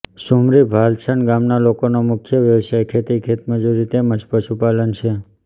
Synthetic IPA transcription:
ʃumɾibʱalt͡ʃʰəɳɡamnalokonomʊkʰjəʋjəʋsajkʰet̪ikʰet̪məd͡ʒuɾit̪eməd͡ʒpəʃupalənt͡ʃʰe

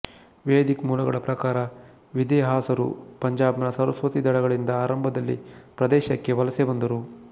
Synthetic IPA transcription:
ʋeːd̪ikmuːlɐɡɐɭɐpɾɐkaːɾɐ | ʋid̪ɛːɦaːsɐɾṵpɐɲd͡ʒaːbnɐsɐɾɐsʋɐt̪id̪ɐɽɐɡɐɭind̪ɐaːɾɐmbʱɐd̪ɐlːḭpɾɐd̪ɛːʃɐkːe̞ʋɐlɐsebɐnd̪ɐɾu

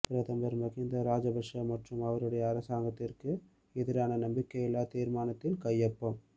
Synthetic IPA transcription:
pɪɾɐðɐmbɐɾmɐɣɪnd̪ɐɾaːd͡ʒɐbɐʂɐmɐʈrɯmɐʋɐɾɯɽɐjɐːɾɐsaːŋɡɐt̪ːɪrkɯ | ɛðɪɾaːnɐnɐmbɪkːɐjɪlːaːt̪iːɾmaːnɐt̪ːɪlkɐjːɐpːɐm

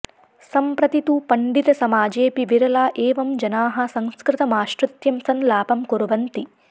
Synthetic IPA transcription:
sɐmpɾɐt̪it̪upɐɳɖid̪ɐsɐmaːd͡ʒeːpiʋiɾɐlaːʔeːʋɐmd͡ʒɐnaːɦɐ̆sɐŋskɾɪt̪ɐmaːʃɾɐt̪jɐmsɐnlaːpɐmkuɾuʋɐnt̪i

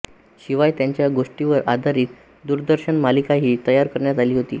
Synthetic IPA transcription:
ɕiʋajt̪jaɲt͡ɕjaɡoʂʈiʋəɾʔad̪ʱaɾiːk̪ | d̪uɾd̪əɾɕəɳmalikaɦiːt̪əjaɾkəɾɳjat̪aliːɦot̪ḭː

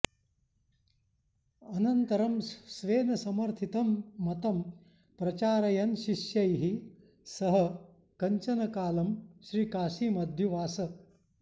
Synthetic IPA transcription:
ɐnɐnt̪ɐɾɐmsʋeːnɐsɐmɐɾt̪ʰit̪ɐmːɐt̪ɐm | pɾɐt͡ʃaːɾɐjɐnʃiʃjɐjɦi | sɐɦɐ | kɐɲt͡ʃɐnɐkaːlɐmʃɾiːkaːsiːmɐd̪ʱjuʋaːsɐ

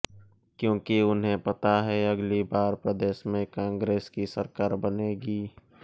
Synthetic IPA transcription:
kjõːkiʊnɦẽpɐt̪aɦɛɐɡlibaːɾpɾəd̪eːʃmẽkãːŋɡɾeːskisəɾkaːɾbəneːɡiː

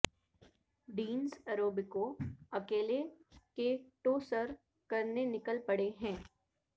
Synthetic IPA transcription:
ɖiːnsəɾoːbɪkoɐkeːlekeʈoːsəɾ | kɐɾnenɪkəlpɐɽeɦɛ̃ː

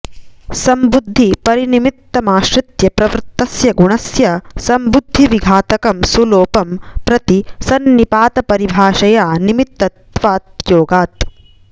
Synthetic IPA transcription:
sɐmbud̪ʱːipɐɾinimit̪ːɐmaːʃɾɪt̪jɐpɾɐʋɾt̪ːɐsjɐɡuɳɐsjɐsɐmbud̪ʱːiʋiɡʱaːt̪ɐkɐmsuloːpɐmpɾɐt̪isɐnːipaːt̪ɐpɐɾibʱaːʃɐjaːnimit̪ːɐt̪ʋaːt̪joːɡaːt̪

